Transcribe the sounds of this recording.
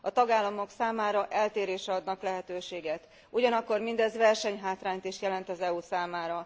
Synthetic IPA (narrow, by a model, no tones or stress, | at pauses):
ɒt̪ɒɡaːlːɒmo̞ksaːmaːɾɒʔɛlt̪eːɾeːʃɛɒd̪nɒklɛɦɛt̪øːʃeːɡɛt̪ | uɟɒnɒkːo̞rmind̪ɛzvɛrʃɛɲɦaːt̪raːɲt̪iʃt̪jɛlɛnt̪ɒzɛusaːmaːɾɒ